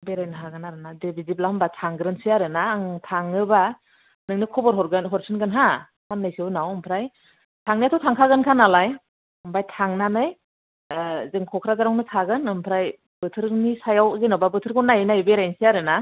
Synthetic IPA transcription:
beɾajnɯɦaɡɯnaɾɯnadebʱiziblaɯmbatʰaŋɡɯɾɯnsijaɾɯnaːŋtʰaŋɯba | nɯŋnɯkʰɔbɔɾɦɔɾɡɯnɦɔɾsʰɯnɡɯnɦa | hanːɯjsiwnawɯmpʰɾaj | tʰaŋniatʰɔtʰaŋkʰaɡɯnkʰanalaj | ɯmbajtʰaŋnanɯj | zɯŋkʰɔkʰɾazaɾɔŋnɯtʰaɡɯnɯmpʰɾaj | bɯtʰɯɾnisajawzenawbabɯtʰɯɾkʰɔnajnajbeɾajnsijaɾɯna

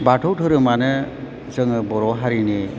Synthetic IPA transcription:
baʈʰɔwʈʰɯɾɯmanɯ | zɯŋɯbɔɾɔɦaɾini

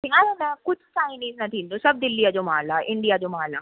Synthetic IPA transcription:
iãnmɛ̃kʊt͡ʃʰsaːɪniːznɐt̪ʰiːnd̪osɐb̚d̪ɪlːijad͡ʒomaːlaːʔɪ̃ɳɖijad͡ʒomaːlaː

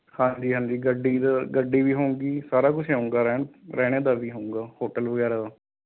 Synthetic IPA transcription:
hãːd͡ʒiːɦãːɲd͡ʒiːɡəɖːiːd̪aːɡəɖːiːʋiːɦoːũŋɡiːsaːɾaːkʊt͡ʃʰɦãːũŋɡaːɾɛɾɛːɽ̃eːd̪aːʋiːɦoːũːŋɡaːhoːʈəlʋəɡɛːɾaːd̪aː

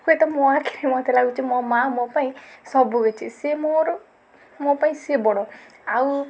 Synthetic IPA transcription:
kuet̪ɔmɔakʰiɾimɔt̪ʰelaɡut͡ʃʰimɔmamɔpaĩsɔbuɡet͡ʃʰisemoɾ | mɔpaĩsebɔɽ̃ɔ | aw

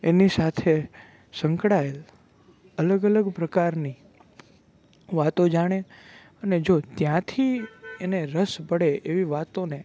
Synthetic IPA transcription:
enisat̪ʰe | sə̃ŋkɽael | ələɡələɡpɾəkaɾni | ʋat̪od͡ʒaɽ̃e | əned͡ʒot̪jãt̪ʰieneɾəsbəɽeʔeʋiʋat̪one

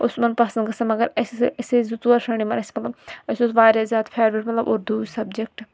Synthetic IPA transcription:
ʊsmɐnpɐsɐ̃nd̪ɡɐsɐmɐɡɐɾɐsɐsezut̪uɐɾʃɐɳ̃imɐnɐsʲmɐt̪lɐbɐsoːsʋaːɾʲaːzʲjaːt̪pʰeːɾbɾeʈmɐt̪lɐboːɾd̪uːd͡ʒsɐbd͡ʒek̚ʈ

